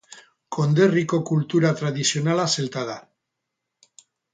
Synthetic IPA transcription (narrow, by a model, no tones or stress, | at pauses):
kʰo̞nd̪e̞riko̞kult̪uɾat̪ɾaðisio̞nalaselt̪aða